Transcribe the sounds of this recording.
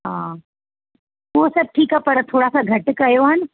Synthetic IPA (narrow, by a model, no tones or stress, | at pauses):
ɦãː | ʋoːsɐb̚ʈʰiːkapɐɾət̪ʰoːɽasaɡʱɐʈkajoɦən